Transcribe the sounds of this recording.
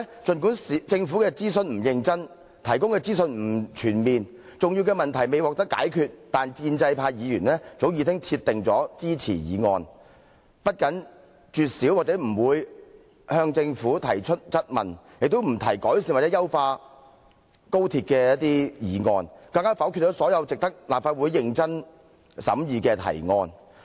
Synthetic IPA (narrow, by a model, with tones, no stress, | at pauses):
t͡ʃɵ˨nkuː˨˥nsi˨t͡sɪ˧ŋfu˨˥kɛː˧t͡siː˥sɵ˧nm̩˨˩jɪ˧ŋt͡sɐ˥n | t̪ʰɐ˨˩jkʊ˥ŋkɛː˧t͡siː˥s̬ɵ˧nm̩˨˩t͡ʃʰyː˨˩nmiː˨n | t͡sʊ˨ŋji˧wkɛː˧mɐ˨nt̪ʰɐ˨˩jme˨jwɔ˨k̚t̪ɐ˥ka̰ː˨˥jkʰyː˧t̚t̪aː˨nkiː˧nt͡sɐ˧jpʰaː˧jiː˨˧jyː˨˩nlɛː˥t͡so˨˥wjiː˨˧t̪ʰɪ˥ŋt̪ʰi˧t̚t̪ːɪ˨ŋt͡sɔː˨˥t͡siː˥t͡sʰḭː˨˩jḭː˨˧ŋɔ̰ː˧n | pɐ˥t̚kɐ˨˥n | t͡ʃyː˨t̚siː˨˥waː˨k̚t͡sɛː˨˥m̩˨˩wuː˨˧j | hœː˧ŋt͡sɪ˧ŋfuː˨˥t̪ʰɐ˨˩jt͡ʃʰɵ˥t̚t͡sɐ˥t̚mɐ̰˨˩nje˨k̚t̪o˥wm̩˨˩t̪ʰɐ˨˩jkɔː˨˥jsi˧nwa˨˩t͡sɛ˨˥jɐ˥wfaː˧ | ko˥wt̪ʰiː˧t̚kɛː˧jɐ˥t̪̚iː˥jiː˨˧ŋɔː˧nkɐ˧ŋkaː˥fɐ˨˥wkʰy˧t̚t͡sɔ˨˥sɔː˨˥jɐ˨˧wt͡sɪ˨k̚t̪ɐ˥k̚laː˨p̚faː˧t̚wuː˨˥jːɪ˧ŋt͡sɐ˥n | sɐ̰˨˥mjiː˨˧kɛː˧t̪ʰɐ̰˨˩jŋɔː˧n